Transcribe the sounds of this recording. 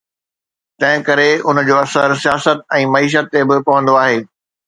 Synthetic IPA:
t̪ɐ̃ɦɪ̃kɐɾeʊnd͡ʑoːɐsəɾsijaːsət̪̚ɛ̃ːmɐiːʃ̬ət̪ːebɪpɐʋə̃nd̪oaːɦeː

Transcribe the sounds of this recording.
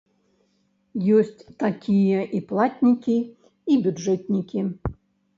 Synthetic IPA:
jɔsʲt͡sʲt̪akʲʰijɐʔiplˠatʲnʲikʲi | ibʲʊdʐɛt̪ʲnʲikʲi

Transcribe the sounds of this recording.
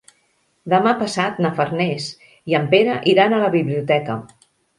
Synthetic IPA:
d̪əmapəsat̪nəfərnɛs | iəmpeɾəʔiɾanələβiβliut̪ɛkə

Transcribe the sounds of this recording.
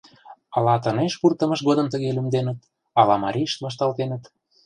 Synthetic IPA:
ɑlɑt̪ə̆neʃpurt̪əmə̆ʃɣod̪əmt̪əɣelymd̪enə̆t̪ | ɑlɑmɑɾʲiʃt̪βɑʃ̬t̪ɑlt̪enə̆t̪

